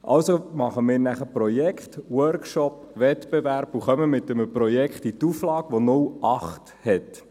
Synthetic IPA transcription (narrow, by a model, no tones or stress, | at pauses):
ʔɑ̰wsomɑχəmɪːɾnæχəprɔjɛkχtwœɾkʃɔp | ʋɛtb̥evæɾb̥uχœməmɪt̪əməprɔjɛkχtit̪uflɑːkʋonʊwʔɑχt | hɛt